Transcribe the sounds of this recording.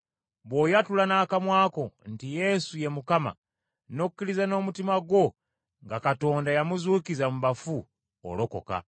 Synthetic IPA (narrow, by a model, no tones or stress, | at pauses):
βwo̞jatulanaːkamwaːko̞ntije̞suje̞mukama̰ | no̞ku̥kːiɾizano̞ːmutimaɡwo̞ | ŋɡakato̞ːndajamuzuːkizamuβafu | o̰loko̞̰ka̰